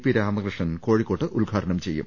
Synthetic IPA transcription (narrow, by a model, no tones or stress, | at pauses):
piɾaːmɐkrɨʂɐnko̞ːɻikːo̞ːʈːɨʔulɡʱaːʈɐɳɐmt͡ɕe̞jːṵmm